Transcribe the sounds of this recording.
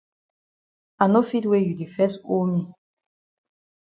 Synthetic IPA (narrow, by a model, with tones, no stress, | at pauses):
a˨no˦fi˦twe˦ju˨di˨fɛ˦sko˦mi˦˨